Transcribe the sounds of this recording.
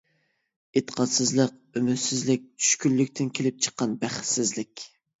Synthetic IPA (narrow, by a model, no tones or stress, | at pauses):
et̪ʰːə̥qʰɑt̪sɪzlˠəqømyt̪sɪzlɪk̚ʲt͡ʃʰy̥ʃkʲylːykʲt̪ʰɪnkʲʰelɪp̚t͡ʃʰə̥qːɑnbæχsɪzlɪkʲ